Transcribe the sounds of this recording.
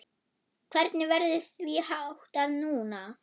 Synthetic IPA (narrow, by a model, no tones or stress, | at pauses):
kʰv̥ɛɾt̪nɪvɛɾðʏθvihawht̪aðnuːna